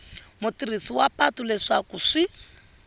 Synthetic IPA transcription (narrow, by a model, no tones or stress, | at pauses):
mutirisiwapatulɛʂakuʂi